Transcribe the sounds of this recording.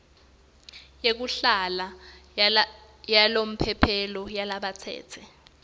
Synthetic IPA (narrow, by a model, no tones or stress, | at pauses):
jek̬uɬala | jalom̩pʰɛpʰɛlɔjalaɓat͡sʰɛ̰ːt͡sʰɛ